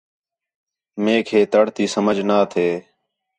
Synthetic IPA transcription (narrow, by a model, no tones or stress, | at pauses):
mẽːkʰeːt̪əɽt̪iːsəməd͡ʒʱnaːt̪ʰeː